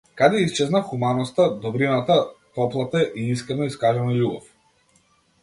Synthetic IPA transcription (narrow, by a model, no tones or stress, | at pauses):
kad̪ɛist͡ʃɛznaxumanɔst̪ad̪ɔbɾinat̪at̪ɔplˠat̪aʔiiskɾɛnɔiskaʒɛnaʎʲubɔ̰f